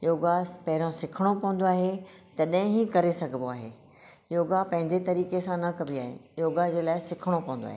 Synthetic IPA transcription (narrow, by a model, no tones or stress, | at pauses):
joːɡapɐɦɪɾõsɪkʰəɽ̃opɐ̃ʋə̃nd̪oaːɦe | t̪ɐɗɐɦɪ̃ɦikɐɾesɐɡʱəmoaːɦḛː | joːɡapɐ̃ɦɪ̃ɲd͡ʑet̪ɐɾiːkesãnɐkɐbʱiaːɦḛjoːɡad͡ʑeːlaːɪsɪkʰəɽ̃opɐ̃ʋə̃nd̪o̰a̰ːɦe